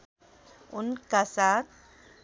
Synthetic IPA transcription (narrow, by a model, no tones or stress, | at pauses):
ʊnkasat̪̚